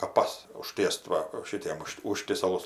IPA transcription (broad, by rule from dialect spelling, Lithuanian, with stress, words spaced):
kɐˈpɐs ʊˈʃ tʲiɛst ˈʋɐ ˈʃʲɪtʲiɛm ˈʊʃʃt ˈʊʃʲtʲiɛsɐlˠʊs